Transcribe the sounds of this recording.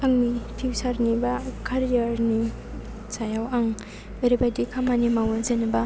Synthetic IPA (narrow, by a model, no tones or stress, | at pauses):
pʰaŋnitʰiwsaɾnibakʰaɾijaɾni | sajawaŋ | ejɾibajdikʰamanimawzenaba